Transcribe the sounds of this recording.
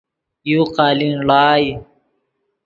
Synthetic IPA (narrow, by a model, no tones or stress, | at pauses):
juqaːlinɭaːj